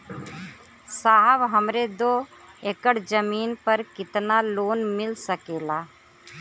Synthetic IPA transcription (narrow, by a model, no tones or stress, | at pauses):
saːbɦɐmɾed̪oːeːkəɽd͡ʒəmiːnpəɾkɪt̪naloːnmɪlsəkeːlaː